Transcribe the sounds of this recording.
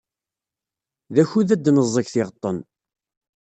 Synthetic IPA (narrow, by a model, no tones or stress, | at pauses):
ðæçuðæd̪nəzˤːəçθɪʁət̪ˤːən